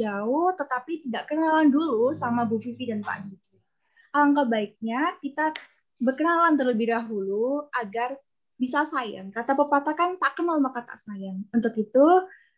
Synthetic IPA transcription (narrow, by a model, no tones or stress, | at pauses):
d͡ʒaʊht̪ət̪apit̪idaʔkənalandulusamabufifidanpa̰ʔɡiti | ʔaaŋkabaɪk̚ɲakit̪a | bərkənalant̪ərləbɪhdaɦuluʔaɡar | bisasaja̰ŋkat̪apəpat̪akant̪aʔkənalmakat̪a̰ʔsajaŋunt̪ʊkit̪u